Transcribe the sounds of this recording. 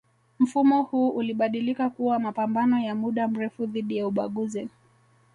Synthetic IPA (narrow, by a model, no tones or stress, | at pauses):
m̩fumɔhuːʔuliɓaɗilikakuwamapambanɔjamuɗam̩ɾɛfuðiɗijauɓaɠuzi